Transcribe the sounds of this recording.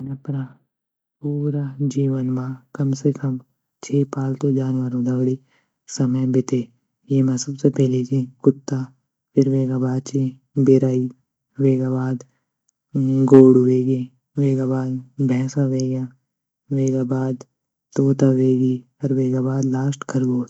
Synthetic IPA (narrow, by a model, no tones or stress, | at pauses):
ɐnapɾa | puːɾad͡ʒiːʋənmãːkɐmsekɐm | t͡ʃʰeːpaːlt̪od͡ʒaːnʋəɾõd̪ʱɐɡɽi | sɐməjbɪt̪eː | jeːmɛ̃sɐbsepɛɦlid͡ʒĩkʊt̪ːa | pʰɪɾʋeːɡabaːd̪̚t͡ʃe | bɪɾaːi | ʋeːɡaːbaːd̪ | ɡoːɽweːɡẽ | ʋeːɡabaːd̪bʱɛ̃ːsãʋeːɡjãː | ʋeːɡaːbaːd̪ | t̪oːt̪aʋeːɡi | ɐɾʋeːɡaːbaːd̪laːsʈkʰɐɾɡoː